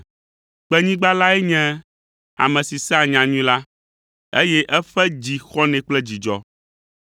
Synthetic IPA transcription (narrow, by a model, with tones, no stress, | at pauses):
k͡pɛ˦ɲĩ˦ɡ͡ba˦la˦ɛ˦ɲɛ̃˦ | a̰˨mɛ̃˨si˨sɛ˦a˨ɲã˨ɲũ˦la˦ | ḛ˦jɛ˦ʔɛ˦ɸɛ˦d͡ʑi˨xɔ˦nɛ̃˨k͡plɛ˦d͡ʑi˨d͡ʒɔ̰˦